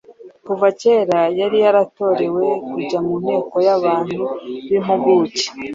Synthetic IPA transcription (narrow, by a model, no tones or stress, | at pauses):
kuvace̞ɾajaɾijaɾato̞ɾe̞we̞kuɟamumhe̞ːko̞jaβaːn̥huβimuɡuce̥